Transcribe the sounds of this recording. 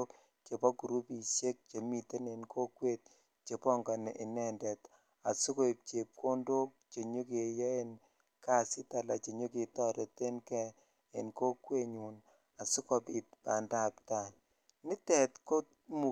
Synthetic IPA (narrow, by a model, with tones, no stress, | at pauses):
o˦k | t͡ʃe˨pɔ˦ku˨ɾu˦pi˨sje˦k̚t͡ʃe˨mi˨te˦ne˨nkʰo˦kwe˦t̚ | t͡ʃe˨pɔ˦ŋɡɔ˨nɛ˨ʔɪ˨nɛ˦ndɛ˨t | a˨sʊ˦ko˦i˨p̚t͡ʃe˨p̚kʰo˦ndo˦k̚t͡ʃe˨ɲo˦ke˨jɛ˦e˦n | ka˦sɪ˦ta˨la˨t͡ʃe˨ɲo˦ki˨tɔ˦ɾe˨te˦nkɛ˦ | ḛ˨nko˦kwe˦ɲu˨n | a˨sʊ˦kɔ˨pi˨t̚pa˨nda˦˨pta˨ | nɪ˦tɛ˨tko˦ | mu˨